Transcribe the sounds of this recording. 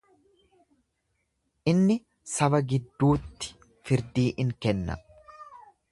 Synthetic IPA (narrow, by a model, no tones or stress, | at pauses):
ʔɪnːɪ | sɐbɐɡɪd̪ːuːt̪ːɪ̥ | fɪɾd̪iːʔɪŋkɛnːɐ̰